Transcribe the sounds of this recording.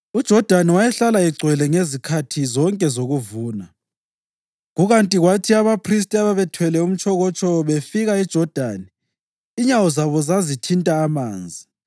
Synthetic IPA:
ud̥ʒ̥ʱɔd̥ʱaniwajɛɬalaiɡ͡ǀʱwɛlɛŋezikʰatʰizɔŋkʼɛzoɣuvuːna | ɣuɣantʼiɣwatʰiaβapʰris̬tʼiaβaβɛtʰwɛlɛum̩t͡ʃʰʼɔɣɔt͡ʃʼɔβefiɣaid̥ʒ̥ʱɔd̥ʱaniː | ɲawɔzaβɔzazitʰintʼaːmaːnd͡zʱi

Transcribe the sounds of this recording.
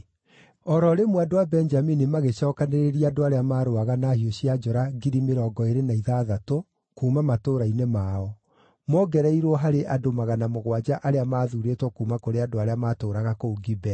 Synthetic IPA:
ɔɾɔɾemwadowabɛnd͡ʒaminimaɣeɕɔːkaneɾeɾiadoaɾeamaːɾoaɣanahioɕiad͡ʒɔɾaɡiɾimeɾɔːɡɔeɾenaiðaːðato | kuːmamatoːɾainemaːɔ | mɔɡɛɾɛiɾwɔɦaɾeʔadomaɣanamoɣwad͡ʒaʔaɾeamaːðuːɾetwɔkuːmakoɾeadoaɾeamaːtoːɾaɣakouɡibɛ

